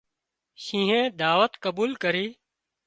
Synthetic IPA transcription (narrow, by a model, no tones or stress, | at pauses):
ʃĩːɦẽːd̪aːʋət̪kəbuːlkəɾiː